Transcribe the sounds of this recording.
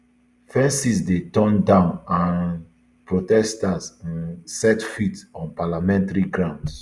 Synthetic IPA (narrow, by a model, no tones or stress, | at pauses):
fɛ̃nsisdetɔ̃ndãʊ̃nãn | pɹotɛstasĩnsɛtfitɔ̃npalamɛ̃ntaɹiɡɹãnd